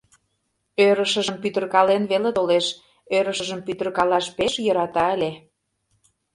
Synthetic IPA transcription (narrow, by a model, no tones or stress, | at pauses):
øɾə̆ʃə̆ʒə̆mpyt̪ə̆rkɑlenβelet̪oleʃ | øɾə̆ʃəʒə̆mpyt̪ə̆rkɑlɑʃpeʃjɤ̆ɾɑt̪ɑə̆lʲe